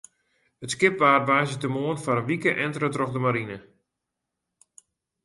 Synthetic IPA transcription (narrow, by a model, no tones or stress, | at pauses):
ətskɪp̚ʋaːrʋaːzətəmoənfaɾənʋikəʔɛntrətrɔxdəmaɾinə